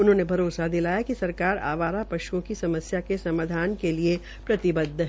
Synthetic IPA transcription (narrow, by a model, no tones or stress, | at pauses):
ʊnɦõːnebʱɐɾoːsad̪ɪlaːjakisɐɾkaːɾa̰ːʋaːɾapɐʃuõkisɐməsjakesɐmaːd̪ʱaːnkelie | pɾɐt̪ɪbəd̪ʱːɦɛ